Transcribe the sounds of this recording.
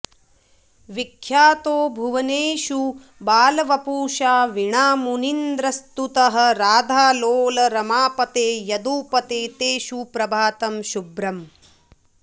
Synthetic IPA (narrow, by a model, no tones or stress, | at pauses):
ʋikʰjaːt̪oːbʱuʋɐneːʃu | baːlɐʋɐpuːʃaːʋiɳaːmunind̪ɾɐst̪ut̪ɐɦɐ̆ɾaːd̪ʱaːloːlɐɾɐmaːpɐt̪eːjɐd̪uːpɐt̪eːt̪eːʃupɾɐbʱaːt̪ɐmʃubɾɐm